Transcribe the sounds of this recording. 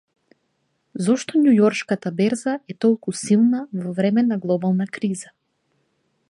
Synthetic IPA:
zɔʃt̪ɔnjujɔɾʃkat̪abɛɾzaʔɛt̪ɔlˠkusilˠnavɔvɾɛmɛnaɡlˠɔbalˠnakɾiza

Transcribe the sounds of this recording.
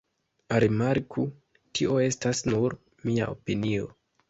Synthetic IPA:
aɾimaɾkʰu | tʰio̞e̞stasnuɾ | mia̰ʔo̞pinio̞

